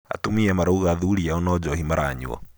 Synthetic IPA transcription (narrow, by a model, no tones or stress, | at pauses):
a̰tumiamaɾauɣaðuɾiaɔnɔd͡ʒɔhimaɾʔaɲṵɔ̰